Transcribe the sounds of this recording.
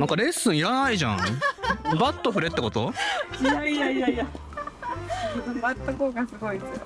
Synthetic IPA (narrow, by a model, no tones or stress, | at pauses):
nãŋkaɾe̞sːɨ̃ɰ̃iɾanaiʑã̰ɴ | bat̪ːo̞ɸɯ̟ɾe̞t̪ːeko̞t̪o̞ | aiaiaia | onobat̪ːokoːɡasɨɡo̞iesɨ